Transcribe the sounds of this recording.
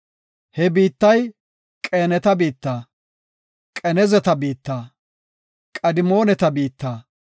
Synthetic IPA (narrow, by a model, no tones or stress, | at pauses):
hɛbiːt̪ːɐj | kʼe̞ːnɛt̪ɐbiːt̪ːaː | kʼɛnɛzɛt̪ɐbiːt̪ːaː | kʼɐd̪ɪmo̞ːnɛt̪ɐbiːt̪ːaː